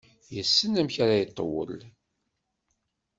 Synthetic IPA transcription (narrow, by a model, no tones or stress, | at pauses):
jəsːənæmçaɾajət̪ˤːəwə̰l